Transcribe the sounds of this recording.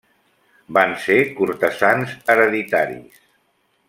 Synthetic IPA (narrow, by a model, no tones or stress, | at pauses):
bansekuɾt̪əzanzəɾəðit̪aɾḭs